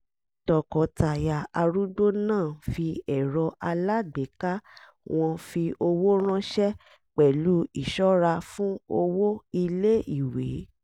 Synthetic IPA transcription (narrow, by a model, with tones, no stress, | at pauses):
tɔ˨kɔ˨ta˨ja˨a˧ɾu˦do˦nãː˦˨fi˧ɛ˨ɾɔ˧ʔa˧la˦ɡ͡be˨˦ka˦ | w̃ɔ̃˧fi˧o˧wo˦ɾ̃ã˦ʃɛ˦ | k͡pɛ˨lu˨˦i˦˨ʃɔ˦ɾa˧fũ˦o˧wo˦i˧le˦i˨we˨˦